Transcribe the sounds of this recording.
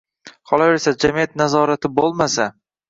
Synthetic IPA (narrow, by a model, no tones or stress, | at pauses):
qʰɒlˠave̞ɾsad͡ʒamijat̪nazɒɾat̪ʰɪbolˠmasa